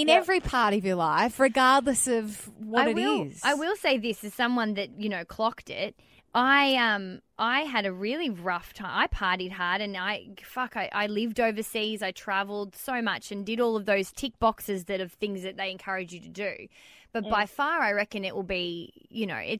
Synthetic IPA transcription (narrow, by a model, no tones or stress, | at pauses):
ɨ̃nɛvɹipʰɑɹɾʌvjə˞laɪfɹɨɡɑɹdˡləsʌvwʌaɪɾɨwɾɪz̥aɪwɪlˠseɪðɪsɨz̥sʌ̃mwʌ̃nðɨt̚jɨnoʊkʰl̥ɑktɪ̰t̚ | ʔaɪʌ̃mʔaɪɨɾɨɹɪlˠiɹʌftʰãɪ̃maɪpʰɑɹɾid̚ɦɑɹɾɨ̃naɪfʌkaɪʔa̰ɪlɪvdoʊvə˞sizaɪtʰɹ̥ævl̩ˠd̥soʊmʌt͡ʃɨ̃ndɨɾɔlˠʌvðoʊz̥tʰɪk̚b̥ɑksɨzðɨɾʌv̥θɪ̃ŋzðɨt̪̚ðeɪɨ̃nkʰɜ˞ɨd͡ʒɨɾɨdʉb̥ʌt̚b̥aɪfɑɹaɪɹɛkɨ̃nɨʔwəlˠbijɨnoʊʔɪ̰t